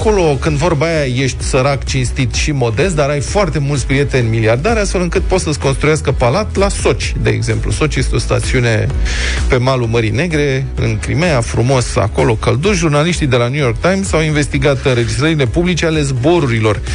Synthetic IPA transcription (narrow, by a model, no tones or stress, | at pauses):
ako̞lo̞kɨnd̪vo̞rbajaje̞ʃt̪ʲsəɾakt͡ʃinst̪it̪ʃimo̞d̪e̞st̪̚d̪aɾajfoart̪e̞mult̪sʲpɾije̞t̪e̞nʲmiliard̪aɾʲast̪fe̞lɨŋkɨt̪̚po̞t̪səsko̞nst̪ɾujaskəpalat̪laso̞t͡ʃʲ | d̪e̞̰ːɡze̞mplṵso̞t͡ʃje̞st̪eost̪a̰t̪siune̞pe̞maluməɾine̞ɡɾe̞ | ɨ̰nkɾḭmejafɾumo̞sa̰ko̞lo̞kəld̪uʒurnaliʃt̪id̪e̞lanjujo̞rk̚t̪ajmsawinve̞st̪iɡat̪ɨnɾe̞d͡ʒist̪ɾəɾile̞publit͡ʃe̞ale̞zbo̞ɾuɾilo̞r